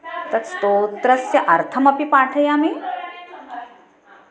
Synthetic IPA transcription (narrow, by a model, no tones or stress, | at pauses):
t̪ɐɾst̪ot̪ɾɐsjɐʔɐɾt̪ʰəmɐpipaʈʰəjami